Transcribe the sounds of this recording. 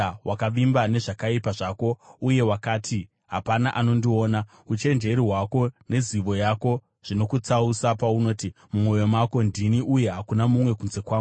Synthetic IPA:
wakaʋimbane̞ʐakaipaʐako̞uje̞wakaːtʰi | ɦapanaʔano̞ndio̞ːna | ut͡ʃe̞nd͡ʒe̞ɾiɦwako̞ne̞ziʋo̞jako̞ | ʐ̥ino̞kut͡sausapauno̞ːti | mumo̞jo̞mako̞ndiniuje̞ɦakunamumwe̞kunze̞kwaː

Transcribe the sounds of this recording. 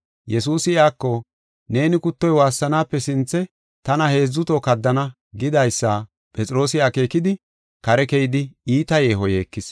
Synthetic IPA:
jɛs̬uːsɪɪaːkːɔ | ne̞ːnɪkʊt̪ːɔjwaːsːɐnaːpːɛsɪnt͡sːɛ | t̪ɐnɐhe̞ːzːʊt̪okɐd̪ːɐnɐ | ɡɪd̪ɐjsːa | pʼɛt͡sʼɾo̞ːsɪaːke̞ːkɪd̪ɪ | kɐɾɛkɛjɪd̪ɪiːt̪ɐje̞ːɦɔje̞ːkːɪs

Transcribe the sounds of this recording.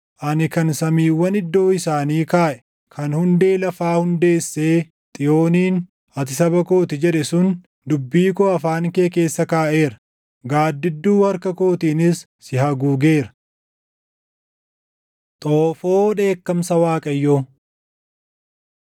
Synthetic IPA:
ʔɐnɪkɐnsɐmiːwːɐnɪd̪ːo̞ːɪsaːniːkaːʔɛ̥ | kʰɐnhʊnd̪e̞ːlɐfaːhʊnd̪e̞ːsːe̞ː | t̪ʼɪjo̞ːniːn | ɐt̪ɪsɐbɐko̞ːt̪ɪd͡ʒɛᶑɛsʊn | d̪ʊbːiːkoːɐfaːŋke̞ːk̬e̞ːsːɐkaːʔe̞ːɾɐ̥ | ɡaːd̪ːɪd̪ːuːhɐɾkɐko̞ːt̪iːnɪsːɪhɐɡuːɡe̞ːɾɐ | t̪ʼoːfo̞ːᶑe̞ːkːɐmsɐwaːkʼɐjːoː

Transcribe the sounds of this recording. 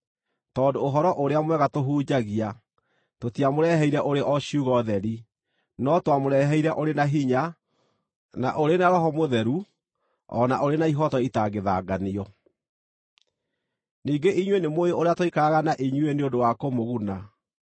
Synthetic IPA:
tɔːndoɦɔɾɔʔoɾeamwɛɣatoɦuːd͡ʑaɣia | totiamoɾɛɦɛiɾɛʔoɾeʔɔɕiuɣɔðɛɾi | nɔtwamoɾɛɦɛiɾɛʔoɾenaɦiɲa | na̰ʔoɾenaɾɔɦɔmoðɛɾu | ɔ̰naʔoɾenaiɦɔtɔitaɣeðaɡaniɔ | niːɡeʔiɲwenemoeoɾeatoikaaɣanaʔiɲweneodowakomoɣuna

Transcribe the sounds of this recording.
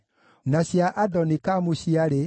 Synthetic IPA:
naɕjaʔadɔnikamuɕiaɾe

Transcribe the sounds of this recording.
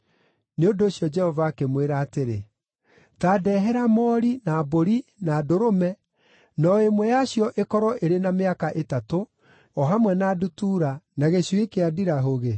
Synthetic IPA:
neondoːɕjɔd͡ʒɛhɔvaːkemweɾaːteɾe | taːdɛːɦɛɾamɔːɾinaːboɾinaːdoɾomɛ | nɔemwɛjaɕjɔʔekɔɾɔʔeɾenameakaʔetato | ɔɦamwɛnaːdutuːɾanaɣeɕwekeadiɾaɦoɣe

